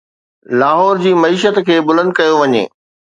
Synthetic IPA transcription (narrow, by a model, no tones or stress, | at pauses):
laːɦɔːɾd͡ʑiːmɐiːʃət̪kʰeːbʊlə̃nd̪kɐjoʋɐɲḛː